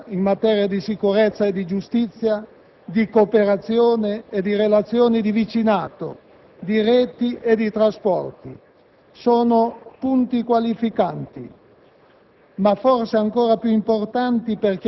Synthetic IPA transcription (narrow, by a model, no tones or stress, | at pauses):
inmat̪ɛːɾjad̪isikuɾet̪sːaed̪id͡ʒust̪it̪sːja | d̪ikopeɾat̪sːjoːneed̪iɾelat̪sjoːnid̪ivit͡ʃinaːt̪o̰ | d̪iɾɛːt̪iʔed̪it̪ɾaspɔ̰rt̪i | soːnopunt̪ikwalifikant̪ḭ | mafɔrseaŋkoːɾapjuimport̪ant̪iperk̟